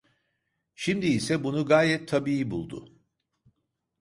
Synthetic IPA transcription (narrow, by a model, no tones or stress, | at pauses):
ʃimd̪iːsɛbunuɡaːjɛt̪ʰːabiːibṵlˠd̪ʊ̰